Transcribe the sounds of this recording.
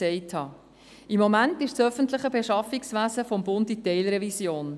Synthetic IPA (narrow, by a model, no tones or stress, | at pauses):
sɛɪthɑː | ɪmːɔmæntɪʃsœfəntləχəbeʃɑfiksvæːsəfɔmbʊnditɛɪlɾɛvisjoːn